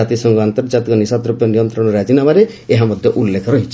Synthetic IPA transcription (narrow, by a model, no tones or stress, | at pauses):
at̪isɔŋɡɔant̪ɔɾd͡ʒat̪ikɔnisat̪ɾupjɔnijɔnt̪ɾɔɽ̃ɔɾad͡ʒinamaɾe | eɦamɔd̪ʱjɔʔulːekʰɾɔɦit͡ʃʰ